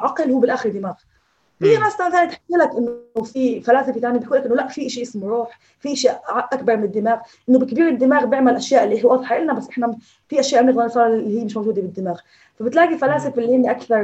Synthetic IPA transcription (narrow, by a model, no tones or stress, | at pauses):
ʕɑqɪlhuːbɪlʔaːxɪɾd̪ːɪmaːɣ | bɪnaslanθaːnit̪ħamːɪlakʔɪnːofifalaːsɪft̪aʕnibijʔuːlːakʔɪnːolaʔfiʔɪʃiʔɪsmɾˤuːħ | fiʔaʃaʔaʔakbɑɾˤmɪnɪd̪ːɪmaːɣʔɪnːobɪkbiːɾɪd̪ːɪmaːɣbjɪʕmalʔaʃjaːʔlːiɦwɑːd̪ˤħaʔɪlnabasːʔɪħna | fiʔaʃjaːʔbnɪɣd̪ɑɾsˤɑːlːihijːmɪʃmawʒuːd̪ebɪd̪ːɪmaːɣ | fabɪt̪laːɡilfalaːsɪfɪlːihɪnːiʔakθɑɾˤ